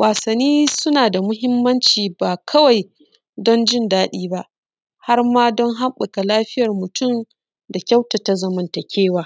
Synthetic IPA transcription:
waː˨sɐ˨nːiː˦sʊ˦naː˨da˨mʊ˦ɦɪ˦mːɐ˦nt͡ʃiː˨baː˨kʰɐ˦wa˨j | dɔ˦nd͡ʒɪ˦˨ndaː˦ɗiː˦ba˦ʔ | ha˦rmaː˦dɔ˦ŋɦa˦mɓʊ˨ka˨laː˦ɸɪ˦jɐ˨rmʊ˨tʊ˦m | da˨kʲa˦wta˨ta˨zɐ˨mɐ˨ntɐ˨kʲʰeː˦waː˨˦

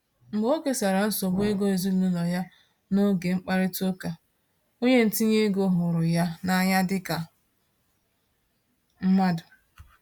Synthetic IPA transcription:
ŋ͡m̩˨ɡ͡bo˦ke˦sa˨ɾa˨n̩˦sɔ˨bʊ˦e˦ɡo˦e˨zi˦lu˦lɔ˨ja˦ | no˦ɡe˨ŋ͡m̩˦k͡pa˦ɾɪ˦to˦ka˨ | o˦ɲe˦n̩˨ti˦ɲe˦ɡo˦ɦʊ˨ɾʊ˨ja˦na˦ɲa˦dɪ˦ka˨ | m̩˦ma˦dʊ˨

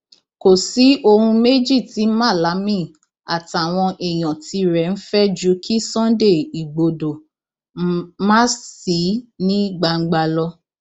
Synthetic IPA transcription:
ko˨si˨˦ʔo˧hũ˧me˦d͡ʒi˦˨ti˨˦mã˦˨la˨˦mĩ˦˨ | a˨ta˨w̃ɔ̃˧ʔɛ˨j̃ɔ̃˨ti˧ɾɛ˨n̩˦fɛ˦d͡ʒu˨˦kʰi˦sɔ̃˦nde˦˨i˨ɡ͡bo˨do˨ | mã˦si˨˦nĩ˦ɡ͡ba˧ŋ̩˦ɡ͡ba˧lɔ˧

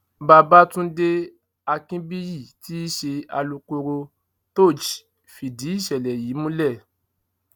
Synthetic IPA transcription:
baː˧˨ba˦tũ˦de˦ | a˧kĩ˦bi˦ji˦˨ti˦i˦ʃe˧a̰˧lu˧ko˧ɾo˧ | to˦˨d͡ʒi˨ | fi˨di˨˦i˦˨ʃɛ˨lɛ˨ji˨˦mũ˦lɛ˦˨

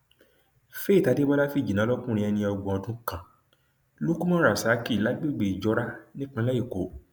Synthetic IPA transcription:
fe˦i˦˨ta˨˧de˦bɔ˦la˦fi˦˨d͡ʒi˨nã˨˦lɔ˦kũ˦ɾ̃ĩ˧ɛ˧nĩ˧ɔ˧ɡ͡bɔ̃˨ɔ̃˨˧tũ˦kã˨ | lo˦ku˦mɔ̃˦ɾa˨sa˨˦ki˦˨la˨˦ɡ͡be˦˨ɡ͡be˨i˨d͡ʒɔ˧˦ɾa˦nĩ˦k͡pĩ˧˦la˦i˦˨ko˨˦

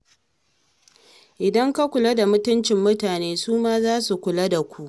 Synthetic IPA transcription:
ʔɪ˨dɐ˦ŋka˦kʷʊ˨lɐ˦da˨mʊ˦tʊ˦nt͡ʃɪ˨mːʊ˦taː˨neː˦suː˦maː˦zaː˦su˨kʷʊ˨la˦da˨kʷu˦ʔ

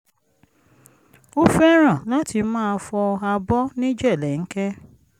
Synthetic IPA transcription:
o˦fɛ˦ɾ̃ã˦˨la˦ti˧mãː˦˧fɔ˧a˧bɔ˦nĩ˦d͡ʒɛ˦˨lɛ˨ŋ̩˦kɛ˦

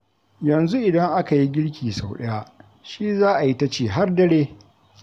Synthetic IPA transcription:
jɐ˨nzu˦ʔɪ˨dɐ˦ŋʔa˦ka˨ji˦ɡʲɪ˦ɽkʲiː˨sa˨wɗɐ˦ja˦ʔ | ʃi˦zaː˦ʔa˨ji˦ta˦t͡ʃeː˨ɦa˦rdɐ˦ɽeː˦

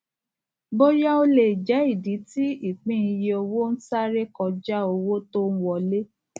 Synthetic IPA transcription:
bo˦ja˦o˧le˨d͡ʒɛ˨˦i˦˨di˨˦ti˦i˦˨k͡pĩ˦i˧je˧o˧wo˦n̩˦sa˦ɾe˦kɔ˧d͡ʒa˦o˧wo˦to˦n̩˦wɔ˧le˦

